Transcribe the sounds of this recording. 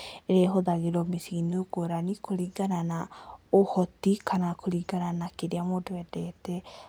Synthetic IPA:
ɾeɦɔd̪aɡiɾɔmisinuɡɔɾanikʰɔliɡananaɔhɔt̪ikʰanakʰuliɡananakiɾiamɔdɔɛdɛt̪ɛ

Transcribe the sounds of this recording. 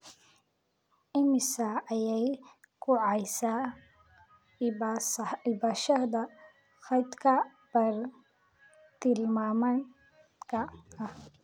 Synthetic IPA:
ʔɪmɪsɐːjɛj | kʰʊʕɑjsaː | bsɪbɐʃɐd̪ɐ | xɑjd̪kʰɐ | b̥ɐr | t̪ʰɪlmaːmɐn | kʰɐɐh

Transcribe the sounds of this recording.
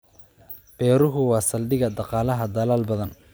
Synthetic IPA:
b̥ɛːɾʊɦʊwɑːsɐlɖɪɣɐd̪ɑqɑːlɐɦɐd̪ɐlaːlbɐðɐn

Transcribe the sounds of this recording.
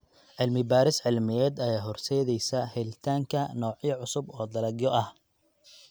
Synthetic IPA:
ʕɪlmɪbaːɾɪsʕɪlmɪjɛːd̪ɐjaːɦɔrsɛːðɛjsɐhɛlɪt̪ʰaːŋkʰɐnɔːʕjɐʕʊsʊbɔːd̪ɐlɐɡjɔʔɐh

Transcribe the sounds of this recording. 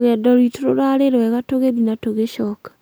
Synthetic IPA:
ɣɛːdɔɾwitoɾoɾaɾeɾwɛɣatoɣeðinatoɣeʃɔːkḁ

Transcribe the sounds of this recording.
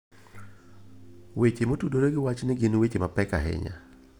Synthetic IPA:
wet͡ʃemotudoɾeɡɪwat͡ʃnɪɡɪnwet͡ʃemapɛka̰ɦɪ̰ɲa̰

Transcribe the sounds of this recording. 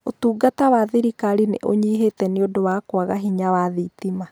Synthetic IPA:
otuːɡatawaðiɾikaɾinḛʔoɲiɦetɛneodowaːkwaɣaɦiɲawaðitima

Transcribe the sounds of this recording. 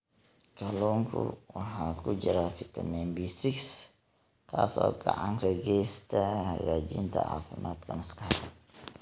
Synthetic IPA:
kaloŋkṵwaɦakud͡ʒəɾafit̪amɛnbisiks | kasa̰ka̰ʔaŋɾəɡɛst̪aɡad͡ʒint̪a̰ʔafanʔat̪̚kansə̥kaɾaŋ

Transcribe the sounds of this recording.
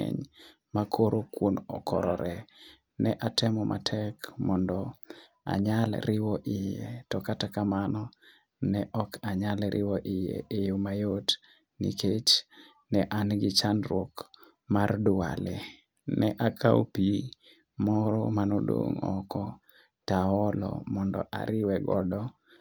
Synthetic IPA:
ɛ̰ɲ | makʰoɾokwonɔkʰɔɾɔɾʔɛ | nɛʔatɛmɔmʔa̰tʰɛkmɔndɔ | a̰ɲalɾɪwɔʔɪjetɔkatakamanɔ | nɛʔɔkʰaɲalɾʔɪ̰wɔʔɪjḛejomajot | niket͡ʃ | nɛʔanɡɪt͡ʃanɾwok | mardʊa̰lɛ | nɛʔakʰaopi | mɔɾɔmanodo̰ŋɔ̰kɔ | taɔlɔ̰mɔndɔ̰ʔa̰ɾɪwɛɡɔ̰dɔ

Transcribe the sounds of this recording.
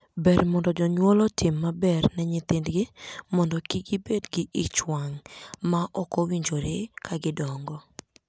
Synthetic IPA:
bɛɾmɔndɔd͡ʒɔɲwɔlɔtɪmːabɛrnɛɲɪt̪ɪndɡɪmɔndɔkiɡɪbedɡɪʔit͡ʃwaŋmaʔɔkɔwiɲd͡ʒoɾekʰaɡɪdɔŋɡɔ

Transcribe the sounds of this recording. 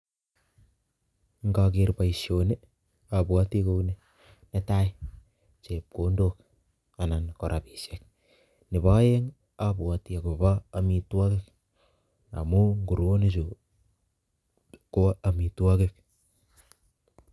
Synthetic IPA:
ŋɡaɡeɾpaisione | abuatikowne | netai | t͡ʃep̚kondok̚ | anankoɾʔabisek̚ | neβaeŋ | abuatiakoβaːmituakek̚ | na̰muŋɡuɾones̬u | koaamituakek̚

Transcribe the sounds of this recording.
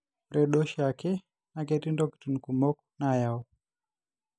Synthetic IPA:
mɾɛɗɔʃakɛ | nakɛtindɔki̥tunikumɔkɔnajaɔ

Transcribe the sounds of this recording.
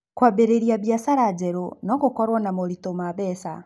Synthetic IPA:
kwabeɾeɾiaβjasaɾad͡ʒɛɾonɔkukɔɾwanamolitomaβɛsa

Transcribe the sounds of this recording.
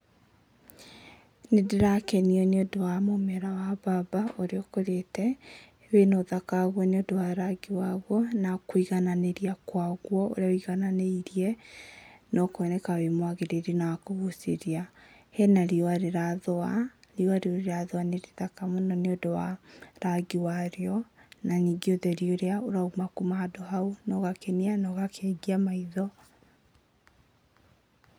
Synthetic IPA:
nedeɾakɛniɔneodowamomɛɾawababaoɾeokoɾetɛ | wenoðakaɣwɔneodowaɾaɡiwaɣwɔnakwiɣananeɾiakwaɣwɔo̰ɾeaoiɣananeiɾiɛ | nɔkoɛnɛkawemwaɣeɾeɾinawakoɣuseɾia | hɛnaɾiɔaɾeɾaðɔaɾiaɾeoɾeɾaðoaneɾeðakamonɔneodɔwaɾaɡiwaɾeɔnaniːɡeoðɛɾioɾeaoɾaumakumaadɔɦaunɔɣakenianɔɣakʰɛɡiamaiðɔ

